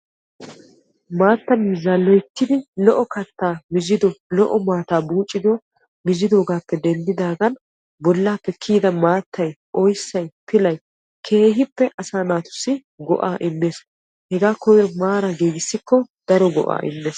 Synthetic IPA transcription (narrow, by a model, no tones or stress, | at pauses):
maːt̪ːɐniːzɐlːɔjt̪ːɪd̪ɪlɔʔɔkɐt̪ːaːmɪzɪd̪ɔlɔʔɔmaːt̪aːbuːt͡ʃʼːɪd̪ɔ | mɪzɪd̪o̞ːɡaːpːɛd̪ɛnd̪ɪd̪aːɡɐn | bɔlːaːpːɛkʰːiːd̪ɐmaːt̪ʰːɐjʔɔjsːɐjpɪlɐj | kʰe̞ːɦɪpːɛʔɐsaːnaːt̪ʊ̥sːɪ | ɡɔ̰ʔaːʔɪmːe̞ːs | hɛɡaːkɔjɔmaːɾɐɡeːɡɪsːɪkːɔ | d̪̥ɐɾɔɡɔ̰ʔa̰ːʔɪ̰mːeːs